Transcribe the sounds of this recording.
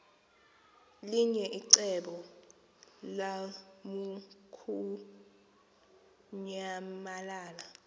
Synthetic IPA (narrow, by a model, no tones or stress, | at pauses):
liɲɛʔiǀɛɓɔ | lamukʰu | ɲamalaːla